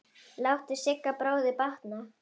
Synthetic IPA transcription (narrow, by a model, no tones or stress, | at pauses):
lawht̪ɪsɪkːapɾaːwðɪpaht̪na